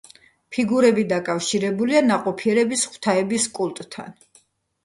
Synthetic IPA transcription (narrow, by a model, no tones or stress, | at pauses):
pʰiɡuɾɛbid̪akʼafʃiɾɛbulianaqʼɔpʰiɛɾɛbisχw̥t̪ʰaɛbiskʼulˠt̪ʼt̪ʰːa̰n